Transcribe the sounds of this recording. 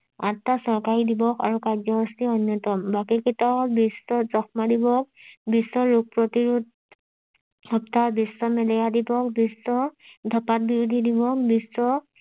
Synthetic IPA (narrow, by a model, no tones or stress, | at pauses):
atːasɔɹkaɹidibɔkʰa̰ɹukazɔɦɔstiɔnjɔtɔmbakikitabisɔzɔxmadibɔk̚bisɔɹuk̚pɹɔtiɹud̚ | hɔptabisːɔmɛlɛjadibɔk̚bisɔdʱɔpat̚biɹud̪ʱidibɔk̚bisɔ